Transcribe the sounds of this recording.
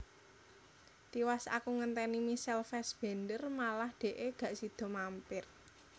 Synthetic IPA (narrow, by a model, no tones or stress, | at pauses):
t̪iwasa̰kuŋənt̪ɛnimisɛlfɛsb̥e̤nd̪ərmalahd̪̥e̤ʔeɡ̥ä̤ʔsid̪̥ɔ̤mampɪr